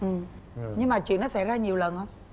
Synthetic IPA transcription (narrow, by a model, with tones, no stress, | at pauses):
ʔɨ˨˩m | ɲɨ˧ŋmaː˨˩t͡ɕwḭ˧˨nːɔ˨˦sɛ̰˧˥zaː˧ɲi˨˩əwlə˨˩nhə˧wŋ͡m